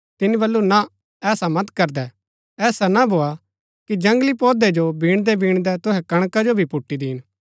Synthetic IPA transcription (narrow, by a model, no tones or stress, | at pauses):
t̪ɪnibɐlːunã | ɛːsamɐt̪kɐɾd̪ɛ | ɛːsanabʱoːa | kid͡ʒɐ̃ŋɡlipɔːd̪ed͡ʒobiːɽ̃d̪ɛbiːɽ̃d̪ɛt̪ʊɦɛkɐɽ̃kad͡ʒobʱipʊʈːid̪iːñ